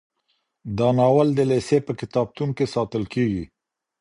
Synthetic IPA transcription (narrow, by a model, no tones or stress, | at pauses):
d̪ɑnɑwald̪əlesepəkɪt̪ɑb̚t̪unkesɑt̪əlkeɡi